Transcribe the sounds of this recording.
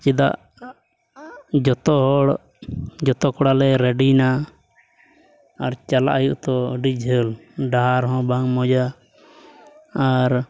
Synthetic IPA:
t͡ʃid̪a̰ʔ | d͡ʒɔt̪ɔɦɔɽ | d͡ʒɔt̪ɔkɔɽalɛɾɛɖina | aɾt͡ʃala̰ʔajuʔt̪ɔɖid͡ʒʱɦəlɖaɦaɾɦɔ̃baŋmɔd͡ʒa | ɾ

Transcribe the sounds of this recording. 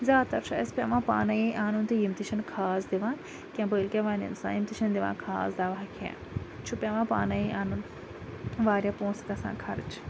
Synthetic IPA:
zʲaːd̪t̪ɐɾʃʰa̰ɐspʲjaːʋãːpa̰ːnajiʔaːnunt̪ijimt̪iʃɐnkʰaːsd̪iʋãːn | kʲãːbəːlkʲẽːʋaːnɐ̰nsã̰ːjimt̪iʃɐnd̪iʋã̰ːnkʰa̰ːsd̪aːʋaɦɐkʰã̰ː | t͡ʃʰupʲaːʋãːpa̰ːnajiʔaːnun | ʋaːɾjãpõːsk̪ɐsã̰ːkʰɐɾt͡ʃ

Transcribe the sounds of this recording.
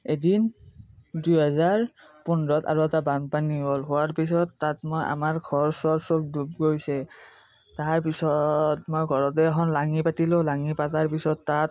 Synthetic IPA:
edin | dujɦɛzaɹ | pɔnɹɔta̰ɹoɛtabandpaniɦolɦʊwaɹpisɔtːatmojʔa̰maɹɡʱɔɹsɔɹsok̚dub̚ɡojsɛ | taɹpisɔtmojɡʱɔɹɔtɛakʰɔnlaŋipatilõlaŋipataɹpisɔtːat̚

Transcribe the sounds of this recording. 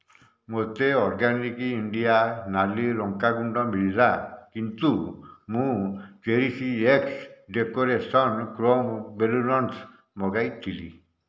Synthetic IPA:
mot̪eɔɾɡanikiːɳɖijanaliɾɔŋkaɡuɳɖɔmʱiɭːakint̪umũkeɾisieksɖekoɾesɔnkɾombelulɔns | mɔɡajt̪ʰilḭ

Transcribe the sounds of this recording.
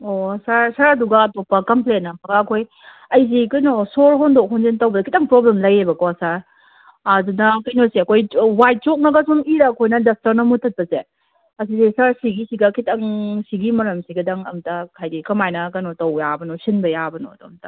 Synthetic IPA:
osaɾsaɾɐduɡɐɐtɔpːɐkɐmplenːɐpʰɐɡɐːkʰoj | ɐjz̬ikɯjnosolɦɔndok̚ɦɔnzentɐwbɐdɐkʰitɐŋpɾɔblemlɐjebɐkoɐsaɾ | ɐdunɐkɐjnoseɐkʰojwajt̚t͡ʃok̚nɐɡɐsumiɾɐːkʰojnɐdɐs̚tɐɾnɐmutʰɐt̚pɐze | ɐs̬isesaɾsiɡisiɡɐkʰitʰɐŋsiɡimɐɾɐmsiɡɐdɐŋɐ̰mtɐkʰajdikɐmajnɐkɐnotɐwjabɐnɔsinbɐjabɐno̰domtɐ

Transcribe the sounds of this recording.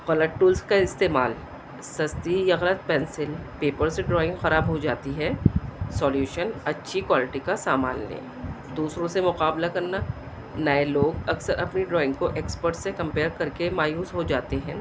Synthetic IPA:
ɣɐləʈʈuːlskaɪst̪eːma̰ːl | sɐst̪ijɐɣlət̪̚pɛ̃ːnsɪlpeːpəɾseɖɾɔːɪ̃ŋɡxɐɾaːbɦod͡ʒaːt̪iɦɛːsɔːljuːʃənɐtːʃʰikwaːlɪʈikasaːma̰ːnlḛ̃ː | d̪uːsɾõsemʊqaːblakɐɾna | naeloːɡɐksəɾʔɐpniɖɾɔːɪ̃ŋɡkoʔeːkspəɾʈsekɐ̃mpeːɾkɐɾkemaːjuːsɦod͡ʒaːt̪eɦɛ̃ː

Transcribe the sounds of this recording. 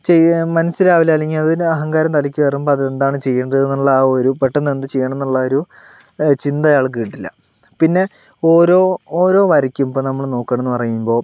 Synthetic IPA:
t͡ɕejmɐnɐsːiɾaːʋilaːliŋːiɐðinɐɦɐŋɡaːɾɐmt̪ɐlikʲːɨʋerumbɐðɐend̪aːɳɨt͡ɕe̞jːɐɳɖeðnːuɭːɐoɾupeʈːɐnːend̪ɨt͡ɕejːɐɳenːuɭːɐoɾu | t͡ɕind̪ɐjaːɭk̬iːʈːilːɐ̰ | pinːe̞ | o̞ːɾo̞ːoːɾo̞ːʋɐɾikʲːumboːnɐmːɐɭno̞ːkːɐːɳenːɨpɐrɐjumbo̞ː

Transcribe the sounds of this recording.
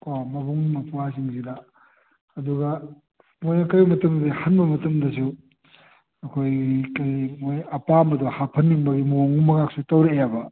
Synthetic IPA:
komɐbuŋmɐpʰuas̬iŋsidɐ | ɐduɡɐ | mojnɐkajbɐmɐtɐmdihɐnbɐmɐtɐmdɐsu | ɐkʰojikɐjmojɐpamɐduhapʰɐnːiŋbɐɡimoŋumɐɡaksutɐwɾeɐjabɐ

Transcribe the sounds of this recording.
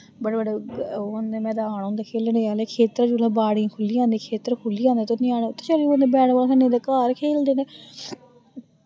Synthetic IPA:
bəɽebəɽeonemɛ̃ːd̪aːɳõʊːnd̪aːkʰeːleːneːaːleːkʰeːt̪ɾad͡ʒuːlãːbaːɽĩːkʰʊliːãːnd̪iːkʰeːt̪əɾkʰʊliːãːnd̪eːt̪onĩːaːneːʊt̪ʰːe̥ːt͡ʃaliõnd̪eːbɛːɽʋaːlkʰənẽːd̪aːkaːɾkʰeːld̪eːneː

